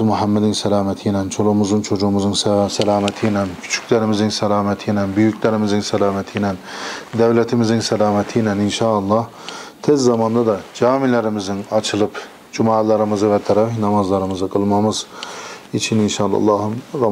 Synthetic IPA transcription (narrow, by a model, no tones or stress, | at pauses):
muɦæmːɛd̪insɛlɑːmɛt̪ʰijnɛnt͡ʃʰolˠumuzɯnt͡ʃʰod͡ʒumuzunssɛlɑːmɛt̪ʰijnɛnkʰy̥t͡ʃʰy̥kʲlæɾɪmɪzɪnsɛlɑːmɛt̪ʰijnɛnbyjykʰʲlæɾɪmɪzɪnsɛlɑːmɛt̪ʰijnɛnd̪ævlæt̪ʰimizinsɛlɑːmɛt̪ʰijnɛninʃɑːɑlˠːɑh | t̪ʰezːɑmɑnd̪ɑd̪ɑd͡ʒɑːmilæɾɪmizɪnɑt͡ʃʰɯlˠɯp | d͡ʒumɑːlˠɑɾɯmɯzɯvɛt̪ʰːɛɾɛnɑmɑzlˠɑɾɯmɯzɯqʰɯlˠmɑmɯz | it͡ʃʰininʃɑlˠɑ̰lˠːɑːɦɯmɾɑ